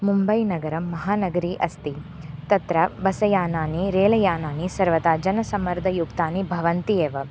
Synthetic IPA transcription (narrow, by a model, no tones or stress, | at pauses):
mumbɐjnɐɡɐɾɐmːɐɦaːnɐɡɐɾiːʔɐst̪it̪ɐt̪ɾɐbɐsɐjaːnaːniɾeːlɐjaːnaːnisɐɾʋɐt̪aːd͡ʒɐnɐsɐmɐɾd̪ʱɐjukt̪aːnibʱɐʋɐnt̪ijeːʋɐ